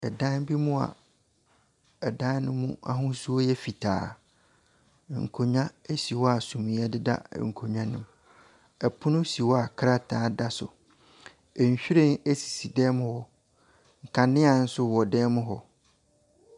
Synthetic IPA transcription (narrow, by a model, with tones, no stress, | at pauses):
ɛ˨dã˦n˦bi˦mũ˦a̰˨ | ɛ˨dã˦nʊ̃˦mːũ˦a˦ɦʊ̃˦su˦o˦jɛ˦fi˨tʰa̰ː˨ | ŋ̩˨kʰo˨ɲã˦e˦si˨wɔ˦a˨sũ˨mĩ˨˦ɛ˦dɪ˦da̰˦ŋ̩˨kʰo˨ɲã˦nʊ̃˨m | ɛ˨pʰʊ˦nʊ̃˦si˨wɔ˦a˨kʰɾa˦tʰaː˨˦da˦sʊ̰˨ | ɛ˨ɲ˨ɕᶣi˦ɾẽ˦˨ne˦si̥˨si˨dɛ˦mʊ̃˦hɔ˦ | ŋ̩˨kʰa˨nɪ̃˦a˨n̩˦sʊ˦wɔ˨dɛː˦mʊ̃˦ɦɔ˦